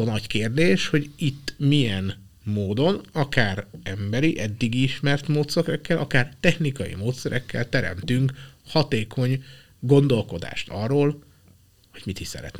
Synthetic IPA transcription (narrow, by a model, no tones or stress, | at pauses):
onɒɟkeːrd̪eːʃho̞ɟit̪ːmijɛn | moːd̪o̞nɒkaːrɛmbɛɾiʔɛd̪ːiɡiiʃmɛrt̪moːt̪søkɾɛkːɛlʔɒkaːrt̪ɛxnikɒjḭmoːt̪sɛɾɛkːɛ̰lt̪ɛɾɛ̰mt̪yŋkhɒt̪eːkʰo̞ɲ | ɡo̞nd̪o̞lko̞d̪a̰ːʃt̪ɒrːoːl | ho̞ɟ̥mit̪iʃsɛ̰ɾɛ̰t̪nɛ